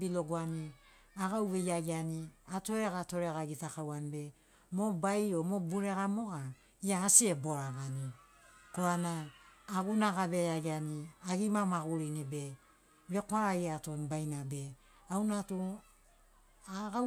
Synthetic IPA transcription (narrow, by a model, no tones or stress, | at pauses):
bilo̞ɡoani | aɡawβe̞jaɡianiato̞ɾeɡato̞ɾeɣaɡitakawanibe̞ | mo̞bajo̞mo̞buɾe̞ɣamo̞ɡa | iaːsie̞bo̞ɾaɡani | koanaːɡunaɡabe̞jaɡianiaɡimamaɡuɾinibe̞ | βe̞koaɾaiatombajnabe̞ | awnato | aɡa